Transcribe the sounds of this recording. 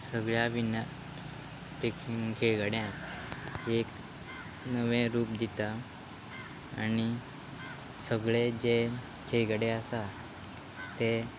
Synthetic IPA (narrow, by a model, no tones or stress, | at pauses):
səɡɭjaʋina | pekʰinkʰeɭɡaɽjã | ek | nəʋẽɾuːp̚d̪it̪a | ni | səɡɭed͡ʑe | kʰeɭɡaɽeasa | t̪e